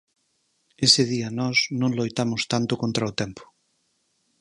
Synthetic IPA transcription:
esɪð̞iɐnɔznõŋlojt̪amʊst̪ant̪ʊkont̪ɾaʊt̪ɛmpʰʊ̥

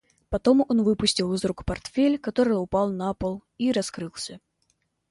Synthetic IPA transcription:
pɐt̪omɔnvɨpʊsʲtʲilˠɨzɾukpart̪fʲelʲkat̪oɾɨjʊpalˠnapəlˠiɾɐskɾɨlˠsʲə

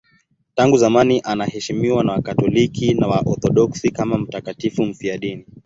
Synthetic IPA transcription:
taŋɡuzamaniʔanahɛʃimiwanawakatɔlikʰinawaʔɔθɔɗɔksikamam̩takatifum̩fiaɗini

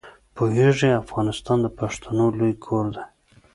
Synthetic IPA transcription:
poɦeʐeafɣɑnɪst̪ɑnd̪əpaʂt̪ʰanolojkʰoɾd̪e

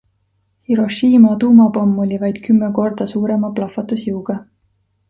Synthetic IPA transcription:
hiɾo̞ʃiːmɑt̪uːmɑpɑmːo̞lʲivɑjd̪̥kymːeko̞rd̪̥ɑsuːɾe̞mɑplɑfˑɑt̪ːusjɯwɡ̥ɑ

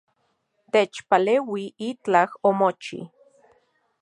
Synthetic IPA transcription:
t̪et͡ʃpalewiit͡ɬahomot͡ʃḭ

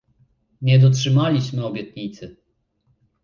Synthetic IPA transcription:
ɲɛd̪ɔtʂɘmalʲiɕmɘɔbʲjɛt̪ɲit̪sɘ

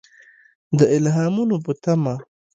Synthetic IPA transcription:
d̪əɪlɦɑːmunobut̪ama

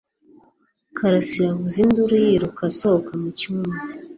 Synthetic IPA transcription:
kʰaɾasiɾaβuzinduɾijiɾukasokamucuuma

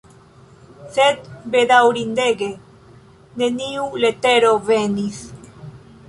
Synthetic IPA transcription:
θet̪beðawɾind̪eɣe | neniulet̪eɾoβenis

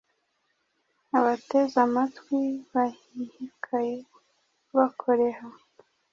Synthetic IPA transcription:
aβate̞zamatwiβahihikʰaje | βakʰoɾeha

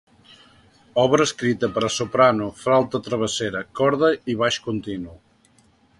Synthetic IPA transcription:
ɔβɾəːskɾit̪əpəɾəsopɾanufɾalˠt̪ət̪ɾəβ̞əseɾəkɔɾðəiβaʃkunt̪inu

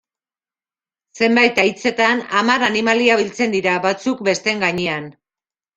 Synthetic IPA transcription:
se̞mbajt̪ajt͡se̞t̪anamaɾanimaliaβ̞ilt͡se̞nd̪iɾaβat͡suk̚be̞st̪e̞ŋɡaɲean

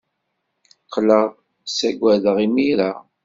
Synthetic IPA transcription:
qʰːləʁ | sæɡʷːæðəʁimiɾa

